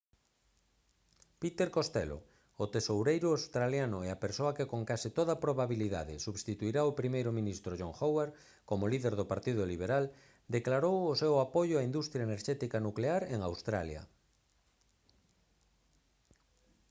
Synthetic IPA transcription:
pit̪eɾkost̪ɛlo̰ | ʊt̪esowɾejɾʊawst̪ɾaljanʊeapeɾsoakekoŋkasit̪oðapɾoβaβiliða̰ðɪ̰suβst̪it̪uiɾaopɾimejɾʊmĩnist̪ɾoʒoŋxoweɾ | komoliðeɾðʊpaɾt̪ið̞ʊliβ̞eɾal | d̪eklaɾowʊsɛwapoʎʊaind̪ust̪ɾjaeneɾʃɛt̪ikanukleaɾeŋawst̪ɾa̰ljɐ̰

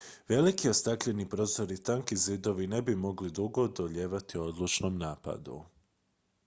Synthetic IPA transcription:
ʋe̞likiost̪akʎenipɾo̞ːzo̞ɾit̪aŋkizid̪o̞ʋine̞bimo̞ɡlid̪uɡo̞d̪oʎe̞ːʋat̪io̞d̪lˠut͡ʃnomnaːpa̰d̪ṵ

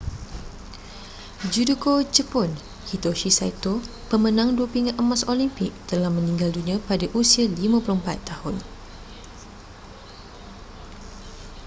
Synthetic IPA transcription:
d͡ʒudukod͡ʒəpɔn | hit̪oʃisa̰jt̪o | pəmənãŋduəpiŋaʔəmasolimpɪk̚t̪əlahmə̃nĩŋɡaldunĩə̃padaʔusialimãpulumpa̰t̪ːahʊn

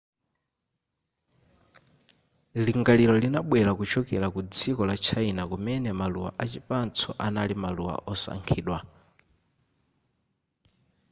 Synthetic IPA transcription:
liŋɡaliɾɔlinaɓwɛɾakut͡ʃʰɔkɛɾakud͡zikɔlat͡ʃʰainakumɛnɛmaluwa̰ʔat͡ʃipant͡sʰɔʔanalimaluwa̰ʔɔsa̰ŋkʰiːɗwa

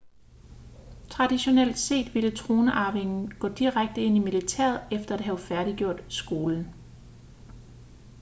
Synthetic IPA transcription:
t͡sʰʁɑ̈d̥iɕo̝nel̰d̥se̝̰ːd̥ʋilət͡sʰʁo̝ːnəʔɑ̈ːʋe̝ŋn̩ɡ̥ɔ̰̽ːd̥iʁaɡ̥̚d̥əe̝nimilit͡sʰæ̰ɐ̰ð̩ˠefd̥ɐæd̥ɦæʊfæɐɾ̥iɡ̥jo̝ɐ̰d̥sɡ̥o̝ːln̩

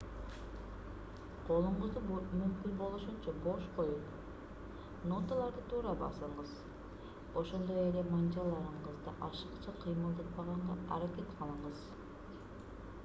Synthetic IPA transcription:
qʰo̞lˠuɴʁuzd̪umymkynbo̞lˠuʃunt͡ʃɑbo̞ʃqo̞jun | no̞t̪alˠɑɾd̪ɯt̪ʰuːɾɑbɑ̰sɯɴʁɯz | o̞ʃo̞nd̪o̞jelemɑnd͡ʒɑlˠɑɾɯɴqɯzd̪ɑʔɑʃɯqt͡ʃɑqʰɯjmɯlˠd̪ɑt̪̚bɑʁɑɴʁɑɑ̰ɾakʲe̞t̪qʰɑlˠɯɴʁɯz̥

